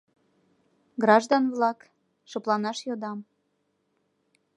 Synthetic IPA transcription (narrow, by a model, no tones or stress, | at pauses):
ɡrɑʒd̪onvlɑk | ʃoplɑnɑʃjod̪ɑm